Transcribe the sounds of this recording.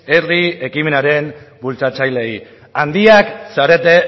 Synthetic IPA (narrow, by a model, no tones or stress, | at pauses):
erie̞kime̞naɾe̞mbult͡sat͡sajle̞j | and̪iaksaɾe̞t̪e̞